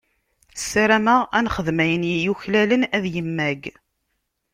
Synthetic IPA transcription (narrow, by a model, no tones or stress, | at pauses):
sːaɾæməʁænχəðmæjənjijuçlælənæðjəmːæɡ